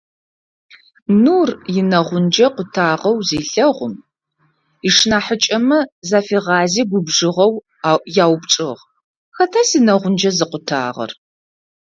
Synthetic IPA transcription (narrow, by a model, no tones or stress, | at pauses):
nuːrjɪnɐʁʷʊnd͡ʒɐqʷʊtʰaːʁɐwzeːɬɐʁʷʊ̰m | iʂnaːħət͡ʃʼɐmɨzaːfiːʁɑːziːɡʷʊbʐɨʁɐw | jaːwpʈ͡ʂʼɨʁ | xɐtʰɐsinɐʁʷʊnd͡ʒɐzɨqʷʊtʰa̰ːʁɐ̰r